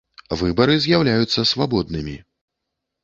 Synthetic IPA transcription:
vɨbɐɾɨzʲjawlʲajut̪sːɐsvabɔd̪̚nɨmʲi

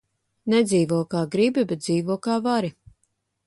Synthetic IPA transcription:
nɛd̪ziːvuɔkaːɡɾibibet̪̚d̪ziːvuɔkaːvaɾi

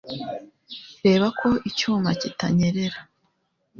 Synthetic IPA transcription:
ɾe̞ːβakʰo̞ʔicuːmacita̰ɲe̞ɾe̞ɾa

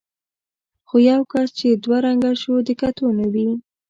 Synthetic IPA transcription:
xojawkast͡ʃed̪waɾaŋɡaʃod̪əkat̪unawi

